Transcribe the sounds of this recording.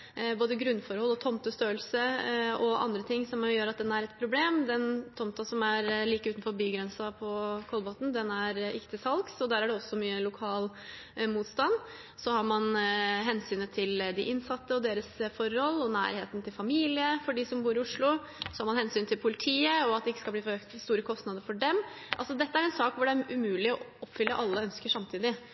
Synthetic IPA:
boːd̪əɡɾʉnːfɔɾhɔlːɔt̪ʰɔmt̪əst̪øːəlsəɔɑ̰nd̪ɾət̪ʰɪŋːsɔmjøːɾɑt̪̚d̪ɛnæɾɛt̪pʰɾʊbleːmd̪ɛnt̪ʰɔmt̪ɑsɔmæɾliːkəʉːt̪n̩fɔɾbyːɡɾɛnsɑpʰɔkʰɔlbot̪n̩d̪ɛnæɾʔɪ̰kt̪ɪsɑlksɔd̪æːɾæɖɛɔsːɔmyːəlʊkʰɑːl | muːt̪st̪ɑn | sɔhɑɾmɑnɦɛnsyːnət̪ʰɪld̪ɪʔɪnsɑt̪ːəɔd̪eːɾəsfɔɾɔlːɔnæ̰ːɾhḛːt̪n̩t̪ʰɪlfɑmiːlɪəfɔɖiːsɔmbuːɾɪʊʂɭʊ | sɔhɑɾmɑnhɛnsyːnt̪ʰɪlpʰʊlɪt̪ʰiːəɔɑt̪̚d̪ɛɪkːə̥skɑlb̪iːføːkt̪st̪uːɾəkʰɔst̪nɑd̪əɾfɔɖɛm | ʔɑlsɔd̪ɛt̪ːəæɾɛnsɑːkʋʊɖɛæɾʉmʉːlɪɔɔpːfʏlːəʔɑlːəœnskəʂɑmt̪ʰiːd̪ɪ

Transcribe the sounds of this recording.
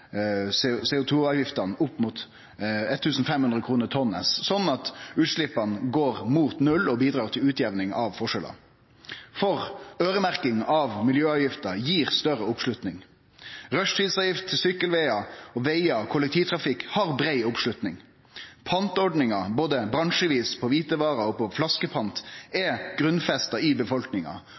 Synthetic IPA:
ssɛːʊt̪ʰuːɑːʋjɪft̪ɑnʊpːmuːt̪ | ɛt̪ʰːʉːsn̩fɛmhʉnd̪ɾəkʰʁuːnət̪ʰɔnːɛ̰ssɔnːɑt̪ʉːt̪ʂlɪpːɑnɡoːʁmuːt̪nʉlɔbiːd̪ɾɑːʁt̪ʰɪlʉːt̪jɛʋnɪŋɑʋfɔʂɛlʔɑ̰ | fɔʁøːɾəmæʁkɪŋɑʋmɪljøːɑːʋjɪft̪ɑjiːʁst̪œɾəʊpʂlʉt̪nɪŋ | ʁœʂt̪ʰiːd̪sɑːʋjɪft̪ʰːɪlsʏkːəlʋɛɪɑɔʋeɪɑkʰʊlɛk̚t̪ʰiːʋt̪ʰʁɑfɪkhɑʁbɾeɪʊpʂlʉt̪nɪŋ | pʰɑnt̪ɔɖnɪŋɑboːd̪əbɾɑŋʃəʋiːspʰɔʋiːt̪əʋɑːɾɑɔpʰɔflɑskəpʰɑnt̪ɛɡ̥ʁʉnfɛst̪ɑɪbəfɔlknɪŋɑ̰

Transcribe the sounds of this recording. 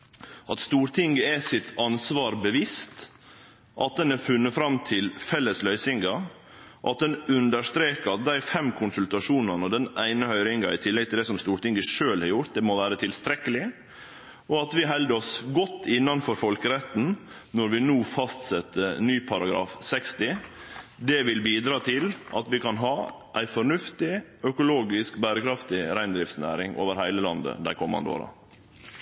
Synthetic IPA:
ʔɑt̪st̪uːɾʈ̪ʰɪŋɡəɛsɪt̪ʰːɑnsʋɑːɾbəʋiːst̪ | ʔɑ̰t̪̚d̪ɛnæɾfʉnːəfɾɑmt̪ʰɪlfɛlːəslœʏsɪŋɡɑ | ʔɑ̰t̪̚d̪ɛnʉnd̪əʂt̪ɾeːkɑd̪æɪfɛmkʰʊnsʉlt̪ɑʂuːnɑnəd̪ɛnæɪnəhœʏɾɪŋɡɑɪt̪ʰɪlːɛɡ̚t̪ʰɪld̪ɛsɔmst̪uːɾʈ̪ɪŋɡəʂøːlhɑɾjʊɾt̪̚d̪ɛmɔʋæːɾət̪ʰɪlst̪ɾɛkəlɪ | ɔɑt̪ʋɪɦɛld̪əɔsɡɔt̪ːɪnːɑnfɔɾfɔlkəɾɛt̪n̩ | nɔɾʋɪnuːfɑst̪sɛt̪ʰːəɾnyːpʰɑɾɑɡɾɑ̰ːfsɛkst̪ɪ | d̪ɛʋɪlbiːd̪ɾɑːt̪ʰɪlʔɑt̪ʋɪkʰɑnɦɑː | ʔæɪfɔɳʉft̪ɪ | œkʊloːɡɪskbæːɾəkʰɾɑft̪ɪɾæɪnd̪ɾɪft̪snæ̰ːɾɪŋʔo̰ːʋəɾhæɪləlɑnd̪ə̰d̪æɪkʰɔmːɑ̰nd̪əo̰ːɾɑ̰

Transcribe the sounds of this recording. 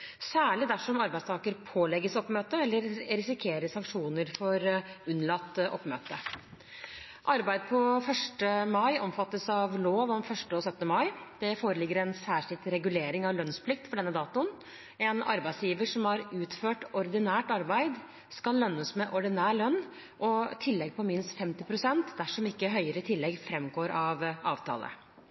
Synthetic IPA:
sæːɭɪd̪æʂɔmɑɾbæɪst̪ʰɑːkəɾpʰoːlɛɡəsɔpmøːt̪əɛlːəɾɾɪsɪkʰeːɾəsɑŋkʂuːnəɾfɔɾʉnːlɑt̪ːʔɔpːmøːt̪ə | ʔɑɾbæɪd̪pʰɔfœʂʈəmɑɪʔɔmfɑt̪ːəsɑʋloːʋɔmfœʂʈəɔsœt̪ːnəmɑɪd̪̥ɛfoːɾəlɪɡːəɾɛnsæːʂɪlt̪ɾɛɡʉleːɾɪŋɑʋlœnspʰlɪk̚t̪fɔɖɛnːəd̪ɑːt̪ʊn | ɛnɑ̰ɾbæɪd̪sjiːʋəʂɔmhɑɾʉːt̪føːʈɔɾd̪ɪnæːʈɑɾbæɪd̪ | skɑlːœnːəsmɛʔɔɖɪnæːlœnː | ʔɔt̪ʰɪlːɛɡpʰɔmɪnst̪fɛmt̪ɪpʰɾʊsɛnt̪d̪æʂɔmɪkːəɦœʏəɾət̪ʰɪlːɛɡfɾɛmɡoːɾɑʋɑːʋt̪ʰɑ̰ːlʔə̰

